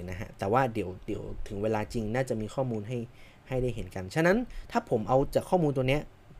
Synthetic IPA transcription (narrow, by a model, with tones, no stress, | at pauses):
na˦˥ɦʰa̰˦˥t̪ɛː˨˩waː˥˩di˨˩˦əwdi˩˦əwt̪ʰɯ˨˩˦ŋweː˧laː˧t͡ɕi˧ŋnaː˥˩t͡ɕa˨˩ʔmiː˧xʰɔː˥˩muː˧nɦa˥˩j | ha˥˩jda˥˩jɦe˩˦nka˧nt͡ɕʰa˧na˦˥nt̪ʰaː˥˩pʰo˩˦mʔa˧wt͡ɕaː˨˩kʰːɔː˥˩muː˧nt̪u˧ni˦˥ɐʔ